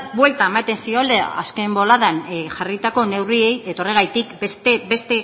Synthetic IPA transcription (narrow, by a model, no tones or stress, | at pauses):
bwe̞lt̪aemat̪e̞nsio̞la̰ske̞mbo̞laðanʝarit̪ako̞ne̞wrie̞je̞t̪o̞re̞ɣ̞ajt̪ikbest̪ebe̞st̪e̞